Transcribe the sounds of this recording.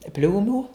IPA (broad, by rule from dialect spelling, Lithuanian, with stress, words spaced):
ˈpʲlʲuːmuː